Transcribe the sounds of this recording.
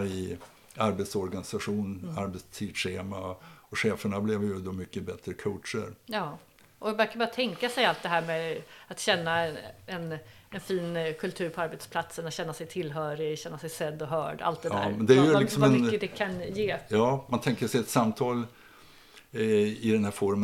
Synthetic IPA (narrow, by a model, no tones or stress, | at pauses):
ɾɪ | aɾbɛt̪sɔɾɡanɪsaɧuːnaɾbɛst̪ʰiːd̪ʂeːmaɔɧeːfəɳablɛvjʉd̪ɔmʏkːəbɛt̪ɾəkʰɔːtʂə̰ɾjɑː | ʔɔvɪvæɾkaɾbɑːɾat̪ʰɛŋkasɛjalt̪̚d̪ɛɦæːɾmeat̪ɕɛnːaɛnɛnfiːnkʰɵlt̪ʰʉ̟ːɾpʰɔaɾbɛt̪spʰlat̪sənat̪ɕɛnːasɛjt̪ʰɪlːɦœːɾɪɕɛnːasɛjsɛd̪ːɔɦœːɖʔa̰lt̪d̪ɛæ̰ːɾmɛnd̪ɛæjɵlɪksɔmaɛmʏəd̪ɛkʰanjeːjɑːmant̪ʰɛŋkəʂɛjɛt̪samt̪ʰɑːl | ɪd̪ɛnhæːɾfɔɾmə